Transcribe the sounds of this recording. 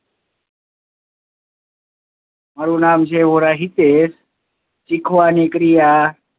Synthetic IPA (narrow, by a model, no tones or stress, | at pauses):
maɾunaːmʃeʋoɾaɦit̪es | t͡ʃikʰʋaːnikɾija